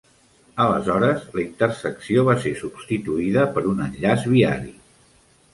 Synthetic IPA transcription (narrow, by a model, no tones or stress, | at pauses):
ələ̰zɔɾəzləint̪ərsəksioβasesubst̪it̪uiðəpəɾunənʎazβiaɾi